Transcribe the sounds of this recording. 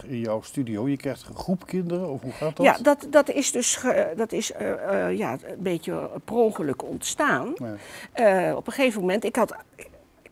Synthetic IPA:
ɪnjɔwstydiowjəkrɛjχtəχrupkɪndəəɔfɦuχaːdja̰dɑtdɑtɪsdɵsdɑtɪsja̰ənbejkəprowχələkɔ̰ntstaːn | ɔ̰pəχejvəmomɛntɪkɦɑt

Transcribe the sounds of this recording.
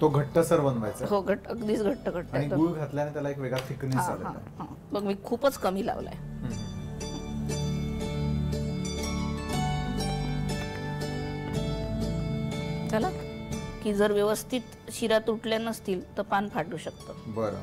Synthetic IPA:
t̪oɡʱəʈːəsəɾbənʋajt͡səɦoɡʱəʈəəɡd̪iːt͡sɡʱəʈːəɡʱəʈːaaɽ̃iɡuɡʱat̪ljanet̪jalaekʋeɡɭat̪ʰikniːad͡za̰lɦãa̰ɦã | bəɡmiːkʰuːpət͡skəmiːla̰ʋla̰jɦə | kalakkiːd͡zəɾʋjəʋəst̪ʰiːt̪ | ɕiɾat̪uʈʰljanːəst̪iːlt̪əɾpanfʰaʈuːɕəkt̪əbəɾo̰

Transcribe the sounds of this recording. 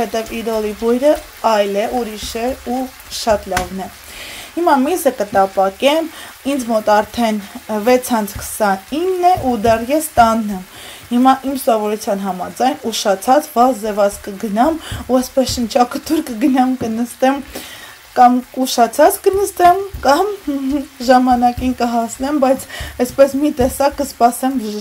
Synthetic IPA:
ɛt̪ɛvid̪ɔlibujɾə | ɑjlɛʔuɾiʃɛu | ʃɑt̪lɑvnɛ | himɑmizəkət̪ɑpɑkɛm | ind͡zmɔt̪ɑɾt̪ʰɛnvɛt͡sʰɑnt͡sʰkʰə̥sɑninːɛʔud̪ɛrjɛst̪ɑnːɛm | himɑʔimsɔvɔɾut͡sʰjɑnɦɑmɑd͡zɑjnuʃɑt͡sʰɑt͡sʰvɑzzɛvɑt͡skəɡənɑmuɛspɛsʃənt͡ʃʰɑkʰət̪ʰuɾkəɡənɑmkənəst̪ɛm | kɑmkuʃɑt͡sʰɑt͡skənəst̪ɛmkɑm | ʒɑmɑnɑkinkəɦɑsnɛmbɑjt͡sʰɛspɛsmit̪ɛsɑkːəspɑsɛm

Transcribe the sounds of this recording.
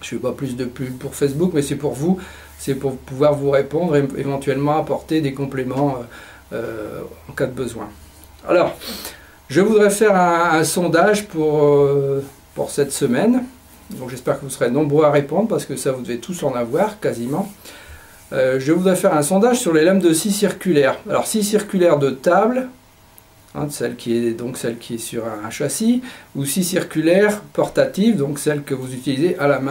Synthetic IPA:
ʒəvɛpaplys̬d̪əplypuʁfɛs̬bukmɛsɛpuʁvu | sɛpuʁpuvwaʁvuʁepɔ̃d̪ʁeḛvɑ̃t̪ɥɛlmɑ̃apɔʁt̪ed̪ekɔ̃plemɑ̃ø | ø̰ɑ̰̃kad̪əbəzwɛ̰̃ | a̰lɔʁ | ʒəvud̪ʁɛfɛʁɛ̃ːsɔ̃d̪aʒpuʁø | pṵʁsɛt̪səmɛn | d̪ɔ̃kʒɛspɛʁkəvusəʁenɔ̃bʁøaʁepɔ̃d̪ʁpaʁsə̥kəsavud̪əvet̪ʰusɑ̃navwaːʁkazimɑ̃ | øʒəvud̪ʁɛfɛʁɛ̃sɔ̃d̪aʒsyʁlelɛmd̪əsisiʁkʲylɛʁalɔ̰ʁsisiʁkʲylɛʁd̪ət̪abl | ɛ̰̃sɛlkʲʰiɛd̪ɔ̃ksɛlkʲiɛsyʁɛ̃ʃasiusisiʁkʲylɛʁpɔʁt̪at̪ivd̪ɔ̃ksɛlkəvuzyt̪ilizeʔalamɛ̃

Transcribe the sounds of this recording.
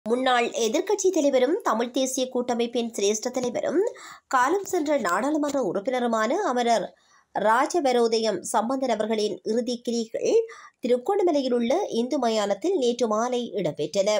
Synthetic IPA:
mʊnːaːɭɛðɪɾkɐʈ̚t͡ʃːit̪ɐlɐɪʋɐɾɯmt̪ɐmɪɭt̪eːsɪjɐkuːʈːɐmɐɪpːɪnsɪɾeːʂʈrɐt̪ːɐlɐɪʋɐ̰ɾɯ̰mkaːlɐmsɛndrɐnaːɽaːlɐmɐndrɐʊrɐpːɪnɐɾɯmaːnɐɐmɐɾɐɾː | aːd͡ʒɐʋɐɾoːðɐjɐmsɐmbɐnd̪ʱɐnɐʋɐɾɣɐɭɪnɪɾɯðikːɪɾiɣɐ̰ɭt̪ɪɾɯkːoɳɯmɛlɐjɪlɯɭːɐʔɪnd̪ɯmɐjaːnɐt̪ːɪlneːʈrɯmaːlɐɪʔɪɽɐmpɛʈrɐnɐ

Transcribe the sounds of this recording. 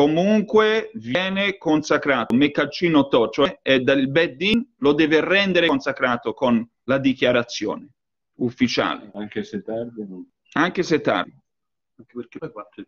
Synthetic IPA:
komuŋkwevjɛːnekonsakɾaːt̪omekːat͡ʃːiːnot̪ɔt͡ʃoɛed̪ailbɛd̪ːinlod̪ɛːverɛnd̪eɾeknsakɾaːt̪okon | lad̪ikjaɾat̪sːjɔ̰ːne | ufːit͡ʃa̰ːlḛaŋkeset̪ːard̪i | aŋkeset̪ːa̰rd̪i | aŋkepkea

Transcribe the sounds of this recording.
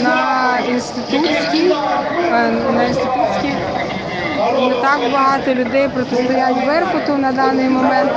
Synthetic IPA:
nɐinst̪ɪt̪ut͡sʲkʲi | nɐinst̪ɪt̪ut͡sʲkʲi | net̪ɑkbɐɦɑt̪ɔlʲʊd̪ɛjpɾɔt̪est̪ʊjatʲʋɛrpʊt̪ʊnɐd̪ɑnɪjmɔmɛnt̪

